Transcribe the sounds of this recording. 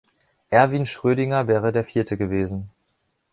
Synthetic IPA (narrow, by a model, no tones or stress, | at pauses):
ʔɛɐviːnʃʁ̥øːɾɪŋɐvɛːʁədeːɐfiːɐtʰəɡəveːzn̩